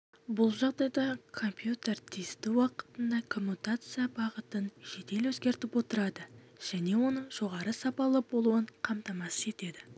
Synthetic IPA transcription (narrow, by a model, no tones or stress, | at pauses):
bʊlˠʒɑʁd̪ɑjd̪ɑkʰo̞mpjut̪ert̪ʰist̪ɪwɑqə̥t̪ənd̪ɑkʰo̞mːut̪at̪sɨjabɑʁət̪ənʒ̥e̞t̪e̞lwɵzɡʲe̞ɾt̪ɪpwo̞t̪əɾɑd̪ə | ʒ̥æne̞wo̞nəɴʒ̥o̞ʁɑɾəsɑpɑlˠəbo̞lˠuəɴqʰɑmt̪ɑmɑsə̥e̞t̪e̞d̪ɪ